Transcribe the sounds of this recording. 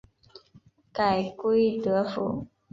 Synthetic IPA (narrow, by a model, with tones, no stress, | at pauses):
ka˨˩ɪke˥ɪt̪ɤ˧˥˦fṵ˨˩˦